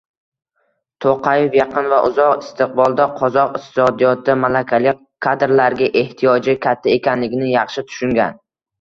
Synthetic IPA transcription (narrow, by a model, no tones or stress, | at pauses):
t̪ʰoqʰɑjefjɑqʰɨnvaʔʊzɒqɪst̪ʰɪq̚bɒlˠd̪aqʰɒzɒqɪqt̪ʰɪ̥sɒd̪ijɒt̪ːdamalakʲʰalɪk̚ʲ | kʰːad̪ɾlaɾɡʲaʔe̞ht̪ʰijɒd͡ʒɪkʲʰat̪ʰːae̞kʲanlɪɡʲnɪjɑχʃɪt̪ʰʊ̥ʃʊŋɡʲa̰n